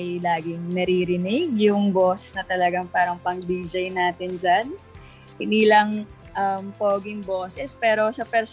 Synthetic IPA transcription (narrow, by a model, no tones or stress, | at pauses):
jlaːɡɪŋnɐɾiɾɪnɪɡjʊŋboːsɛsnɐt̪ɐlɐɡaŋpaːɾɐŋpɐŋd̪iːd͡ʒɐjnaːt̪ɪnd͡ʒan | hɪniːlɐŋ | ʔɐmpoːɡɪŋboːsɛspɛːɾo̞sɐpɛɾs